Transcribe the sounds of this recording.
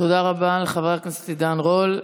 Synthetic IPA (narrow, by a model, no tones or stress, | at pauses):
t̪od̪aʁabaleχaveʁaknast̪id̪anʁol